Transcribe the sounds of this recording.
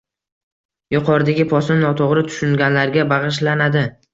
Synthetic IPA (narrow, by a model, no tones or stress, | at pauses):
jʊqʰɒɾd̪aɡʲɪpʰɒsɪmnɒt̪ʰoʁɾɪt̪ʰʊ̥ʃʊŋɡʲanlaɾɡʲabɑʁɨʃ̬lanad̪ɪ